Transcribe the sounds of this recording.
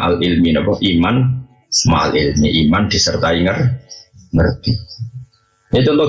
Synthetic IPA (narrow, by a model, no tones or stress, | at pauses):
ʔalʔilminɔpɔʔiman | ma̰ʔa̰lɪlmiʔimand̪̥i̤sərt̪aiŋər | ŋərt̪i | et͡ʃɔnt̪ɔ